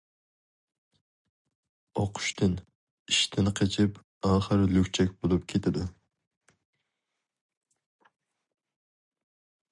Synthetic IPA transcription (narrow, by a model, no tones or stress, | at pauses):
oqʰʊ̥ʃt̪ʰɨn | iʃt̪ʰɪnqʰet͡ʃʰɪp | ɑːχəɾlykʲt͡ʃʰɛkʲbolˠup̚kʲʰet̪ʰɪd̪ɪ